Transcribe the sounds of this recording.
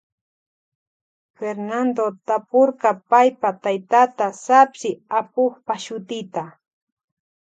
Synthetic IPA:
feɾnand̪ot̪apoɾkapajpat̪ajt̪at̪asapsɪapoχpaʃʊt̪ɪt̪a

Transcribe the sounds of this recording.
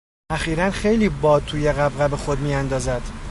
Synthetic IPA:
ʔæxiːɾænxe̞jliːbɒːd̪̚t̪ʰuːjeɣæbɣæbexo̞d̪miːænd̪ɒːzæd̪̥

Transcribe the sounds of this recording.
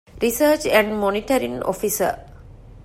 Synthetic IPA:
ɾisəːt͡ʃɛ̃ɳɖmoniʈɐɾiŋo̰fisə̰

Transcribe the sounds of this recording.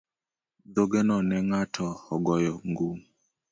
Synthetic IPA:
d̪oɡɛnɔnɛŋatʰɔɔɡɔjɔŋɡu

